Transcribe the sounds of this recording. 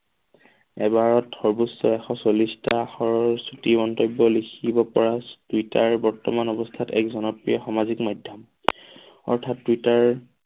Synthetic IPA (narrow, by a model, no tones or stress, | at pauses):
ɛbaɹɔtxɔɹbusːɔɛxɔsolistaxɔɹɔɹsutimɔntɔjbːɔlikʰibɔpɔɹatuitaɹbɔɹtɔmanɔbɔstʰatɛ̰kzɔnɔpɹijɔxɔmazikmɔjdʱjam | ɔ̰ɹtʰatːuitaɹ